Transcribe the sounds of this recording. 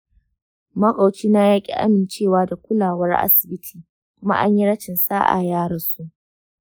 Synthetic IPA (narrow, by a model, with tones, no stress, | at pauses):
mɐ˦kʼa˨wt͡ʃiː˦na˦jaː˦kʲʼḭ˦ʔa̰˦mɪ˨nt͡ʃeː˦˨waː˦da˨kʷʊ˦laː˨wɐ˦rʔa̰˦sɪ˨bɪ˦tʰi̥ː˨ | kʷʊ˦ma̰˦ʔa̰˦ɲji˦ɽɐ˦t͡ʃɪ˨nsaː˦ʔa̰˨jaː˦ɽɐ˨nsu˦ʔ